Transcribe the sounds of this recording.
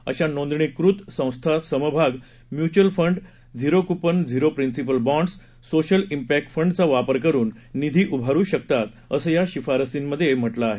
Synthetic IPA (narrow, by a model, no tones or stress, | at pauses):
ə̰ɕanõnd̪ɳikɾut̪sə̃w̃st̪ʰasəməbʱaɡ | mjut͡ɕəlfəɳɖ | d͡ziɾokupənd͡ziɾopɾinsipəlbɔ̃ɳɖsː | oɕəlimpæk̚ʈfəɳɖt͡saʋapəɾk̬əɾuːnː | id̪ʱiːʔubʱaɾuːɕək̚t̪at̪ | əsəːjaɕifaɾəsimːəd̪ʱːjem̤əʈlaːɦe